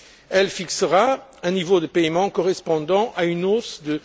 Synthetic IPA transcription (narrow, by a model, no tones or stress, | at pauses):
ɛlfiksəʁaɛ̃nivod̪əpɛjmɑ̃kɔʁɛspɑ̃d̪ɑ̃ʔaynosd̪ə